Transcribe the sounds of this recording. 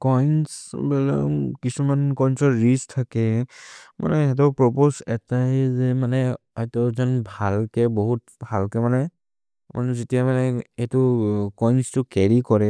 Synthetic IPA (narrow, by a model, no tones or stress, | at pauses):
kɔjnsbɛlɔ̰kisumankɔjnsɔɹɹistʰakɛ | mʔa̰nɛɛt̬ɔpɹɔposɛtazɛmanɛ | ajtɔzɔnbʱalkɛbɔɦut̚ | bʱalkɛmanɛ | ma̰nɛzetijamanɛetʊkɔjnstʊkɛɹikɔɹɛ